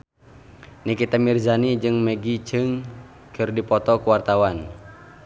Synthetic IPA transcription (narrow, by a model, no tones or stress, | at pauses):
nikit̪amirzanid͡ʒɨŋmɛɡit͡ʃɨŋ | kɨrdipɔt̪ɔkuwart̪awan